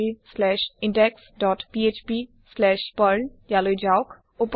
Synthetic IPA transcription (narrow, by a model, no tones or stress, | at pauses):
islɛːʃɪ̃ɳɖeksɖɔːʈpiet͡ʃpi | slɛːʃpəɾnjalojd͡ʒaʊk | ʊp